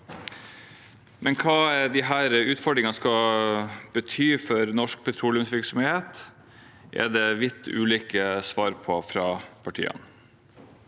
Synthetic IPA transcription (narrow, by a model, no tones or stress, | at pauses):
mɛnkʰɑːd̪ɪɦæːɾəʉːt̪fɔɖɾɪŋɑskɑ | b̥ət̪ʰyːfɔɾnɔʂk̚pʰɛt̪ʰɾuːlɪʉmsʋɪɾksɔmeːt̪ | ʔɛ̰d̪ɛʋɪt̪ʰːʉːliːkəsʋɑːɾpʰɔfɾɑːpʰɑʈʰḭːə̰n